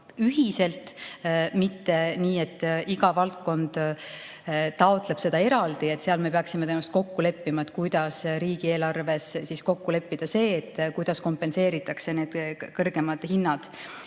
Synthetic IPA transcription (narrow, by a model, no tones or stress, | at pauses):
yɦise̞lt̪ | mit̪ːe̞niːe̞t̪ːiɡɑvɑlt̪̚ko̞nd̪̥ | t̪ɑot̪le̞b̥se̞d̪ɑe̞ɾɑld̪̥ie̞t̪ːˑseɑlme̞peɑksimet̪enːɑst̪ko̞kːule̞pːimɑet̪̚ːˑkujd̪̥ɑsɾiːɡ̥ie̞ːlɑrve̞ssisko̞kːule̞pːid̪̥ɑse̞ːt̪ˑːkujd̪̥ɑsko̞mpe̞nse̞ːɾit̪ːˑɑkse̞ne̞ːd̪̥kɤrɡ̥e̞mɑd̪̥hinːɑd̪̥